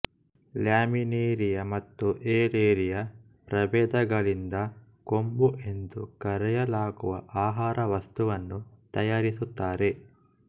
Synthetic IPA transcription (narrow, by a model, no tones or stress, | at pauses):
ljaːmineːɾijɐmɐt̪ːuʔeːɾeːɾijɐ | pɾɐbɛːd̪ɐɡɐɭind̪ɐ | ko̞mbuʔe̞nd̪ukɐɾɛjɐlaːɡuʋɐ̰ʔaːɦaːɾʔɐʋɐst̪uʋɐnːut̪ɐjaːɾisut̪ːaːɾe̞